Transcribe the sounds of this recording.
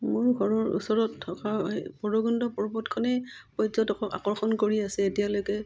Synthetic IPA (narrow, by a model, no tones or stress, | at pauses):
mʊɹɡʱɔɹɔɹṵsɔɹɔtʰːɔkapɔɹɔɡɔndɔpɔɹbɔtkʰɔnɛpɔjzɔtɔkʰɔka̰kɔɹxɔnkoɹiasɛːtijalojkɛ